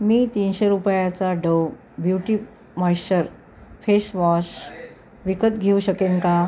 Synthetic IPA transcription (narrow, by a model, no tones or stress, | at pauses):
miːt̪iːnɕeɾupjat͡saɖəw | bjuʈiː | məjɕəɾ | fesʋɔɕ | ʋikət̪ɡʱeuɕəkeŋka